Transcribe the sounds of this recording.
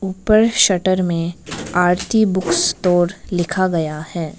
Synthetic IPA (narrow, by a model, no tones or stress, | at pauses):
uːpəɾʃɐʈəɾmẽaːɾt̪ibʊkst̪oːɾlɪkʰaɡɐjahɛː